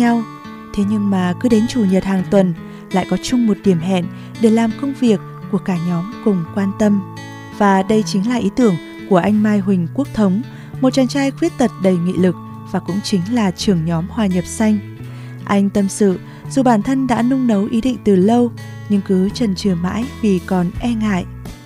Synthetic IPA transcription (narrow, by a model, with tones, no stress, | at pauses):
ɲa˧w | t̪ʰe˨˦ɲɨ˧ŋmaː˨˩kɨ˨˦ɗe˨˦nt͡ɕu˧˩ɲə˨˩t̚haː˨˩ŋt̪wə˨˩n | la̰ː˧˨jkɔ˨˦t͡ɕʊ˧ŋ͡mmo˨˩t̚ɗi˧˩əmɦɛ̰˧˨n | ɗe˧˩laː˨˩mkə˧wŋ͡mvi˨˩əkːu˧˩əkaː˧˩ɲɔ˨˦mkʊ˨˩ŋ͡mkwaː˧nt̪ə˧m | v̥aː˨˩ɗə˧jt͡ɕï˨˦ŋ̟laː˨˩ʔi˨˦t̪ɨ˧˩əŋ | ku˧˩əʔa˧jŋ̟maː˧jɦwï˨˩ŋ̟ku˦˥ək̚t̪ʰə˨˦wŋ͡m | mo˨˩t̚t͡ɕa˨˧˩nt͡ɕaː˧jxwi˦˥ət̚t̪ə˨˩t̚ɗə˨˧˩jŋḭ˧˨lɨ˨˩k̚ | vaː˨˩kʊ̰˧˥ŋ͡mt͡ɕï˨˦ŋ̟laː˨˩t͡ɕɨ˨˩əŋɲɔ˨˦mhwaː˨˩ɲə˨˩p̚sa˧jŋ̟ | ʔa˧jŋ̟t̪ə˧msɨ̰˧˨ | zu˨˩ɓaː˧˩nt̪ʰə˧nɗa̰ː˧˥nʊ˧ŋ͡mnə˨˦wʔi˨˦ɗḭ̈˧˨ŋ̟t̪ɨ˨˩lə˧w | ɲɨ˧ŋkɨ˨˦t͡ɕə˨˩nt͡ɕɨ˨˩əma̰ː˧˥jvi˨˩kɔ˨˩nʔɛ˧ŋa̰ː˧˨j